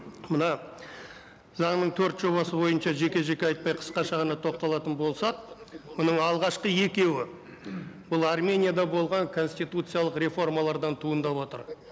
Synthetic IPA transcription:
mənɑ | zɑɴnəɴt̪ʰɵɾt̪ʒ̥o̞βɑsəbo̞jənʃɑʒe̞kʲe̞ʒe̞kʲeɑjt̪̚pɑjqʰə̥sqɑʃɑʁɑnɑt̪ʰo̞q̚t̪ɑlˠɑt̪ənbo̞lˠsɑq̚mʊnəɴɑlˠʁɑʃqəe̞kʲe̞wɪ | bʊlˠarmʲe̞nʲijad̪ɑbo̞lˠʁɑŋkʰo̞nst̪ijt̪ut̪sɨjalˠəqɾʲe̞fo̞rmɑlˠɑɾd̪ɑnt̪ʰuənd̪ɑpwo̞t̪ə̰ɾ

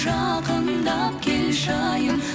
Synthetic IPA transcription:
ʒɑqənd̪ɑp̚kʲʰelʒɑjəm

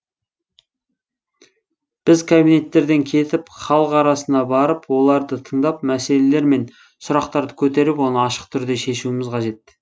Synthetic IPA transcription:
b̥ɪzkʰabijne̞t̪ːe̞ɾd̪e̞ŋkʲʰe̞t̪ɪpχɑlˠəqɑɾɑsənɑbɑɾəpwo̞lˠɑɾd̪ət̪ʰəɴd̪ɑp̚mæse̞le̞le̞ɾme̞n | sʊɾɑqt̪ɑɾd̪əkʲʰɵt̪e̞ɾɪpwo̞nəɑʃə̥q̚t̪ʰʏɾd̪e̞ʃe̞ʃuɪmɪzqʰɑʒe̞t̪ːɪ

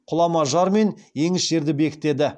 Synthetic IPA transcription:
qʰʊlˠɑmɑʒɑɾme̞nje̞ŋɪsʒe̞ɾd̪ɪbe̞kʲɪ̥t̪e̞d̪ɪ

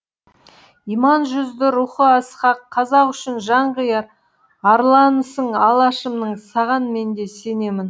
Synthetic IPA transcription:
ijmɑnʒʏzd̪ɪɾuχəɑsχɑqʰːɑzɑʁʏʃɪnʒɑɴʁəjɑɾ | ɑɾlˠɑnəsəɴɑlˠɑʃəmnəɴsɑʁɑnme̞nd̪e̞se̞ne̞mɪn

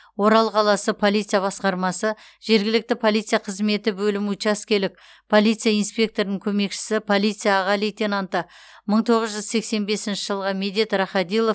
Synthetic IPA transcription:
wo̞ɾɑlˠqʰɑlˠɑsəpʰo̞lʲijt̪sɨjabɑsqɑɾmɑsə | ʒ̥e̞ɾɡʲɪlɪk̚t̪ɪpʰo̞lˠijt̪sɨjaqʰəzme̞t̪ɪbɵlɪmut͡ʃaskʲe̞lɪk̚ | pʰo̞lˠit̪sɨjainspʲe̞k̚t̪o̞ɾɪnəŋkʲʰɵme̞kʃɪ̥sɪpʰo̞lˠijt̪sijaːʁɑlˠijt̪ːe̞nɑnt̪əməɴt̪ʰo̞ʁəzʒʏzse̞kse̞nbe̞sɪnʃɪʒəlˠʁəme̞d̪e̞t̪ɾɑχɑd̪ijlˠof

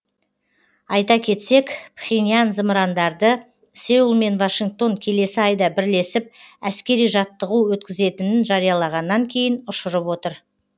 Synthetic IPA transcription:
ɑjt̪ɑkʲʰe̞t̪se̞kpχʲenʲijanzəmɾand̪ɑɾd̪ə | se̞ulˠme̞nvaʃiŋk̚t̪o̞ŋkʲʰe̞le̞sɪɑjd̪ɑbɪɾle̞sɪp̚æskʲe̞ɾijʒɑt̪ːəʁuwɵt̪kʲɪze̞t̪ɪnɪnʒɑɾijɑlˠɑʁɑnːɑŋkʲʰe̞jɪnʊʃəɾəpwo̞t̪əɾ

